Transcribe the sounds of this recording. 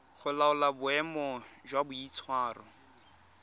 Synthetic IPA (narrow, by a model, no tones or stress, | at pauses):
χʊlaʊlabʊɛmɔd͡ʒwabʊit͡sʰwaːrɔ